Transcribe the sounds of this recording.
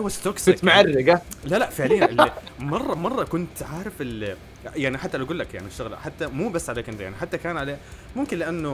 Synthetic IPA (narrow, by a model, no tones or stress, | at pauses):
hʊwːast̪oksmaʕarːɪɡalalaʔfɪʕlɪjːaɪlmɑrˤːɑmɑrˤːɑkʊnt̪ʕaːɾɪfɪl | jaʕniħat̪ːalawɡuːlːakja̰ʕniʃːʊɣla̰ħat̪ːamuːbasːʕalakɪnd̪jaʕniħat̪ːakaːnʕaleːmʊmkɪnlɪʔanːʊ